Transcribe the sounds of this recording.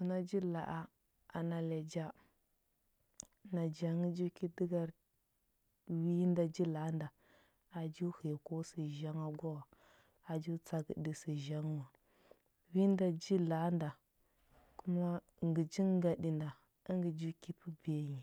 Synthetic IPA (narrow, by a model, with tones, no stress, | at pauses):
su˨na˦d͡ʒi˦la̰˨ʔa˦ | a̰˨na˨la˨d͡ʒa˦ | na˨d͡ʒa˨˦ŋi˦d͡ʒu˦ki˦di˦ɡa˦ɾ | wi˦nda˨d͡ʒi˦la˨˦nda˨ | a˨d͡ʒu˦hi˨jko˦si˨ʒa˦ŋa˦ɡʷa˦wa˨ | a˨d͡ʒu˦t͡sa˨ɡḭ˨ɗi˨si˨ʒa˦ŋ˦wa˨ | wi˦nda˨d͡ʒi˦la˨˦nda˨ | ku˦ma˦ | ŋɡi˨d͡ʒi˦ŋ˦ɡa˨di˨nda˨ | i˦ŋɡə˨d͡ʒu˦ki˦pi˦be˨˦˨ɲi˨